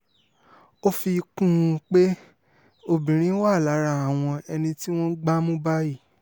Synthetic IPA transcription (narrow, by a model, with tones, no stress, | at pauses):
o˦fi˧kũ˦˧k͡pe˦ | o˧bĩ˨ɾ̃ĩ˨˦wa˦˨la˨˦ɾa˧a˨w̃ɔ̃˧ɛ˧nĩ˧ti˦w̃ɔ̃˦ɡ͡ba˦mũ˦ba˦ji˦˨